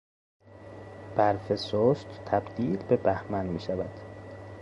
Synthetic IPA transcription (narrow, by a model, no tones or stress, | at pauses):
b̥æɾfesoʃt̪t̪ʰæbd̪iːlbebæhmænmiːʃævæd̪̥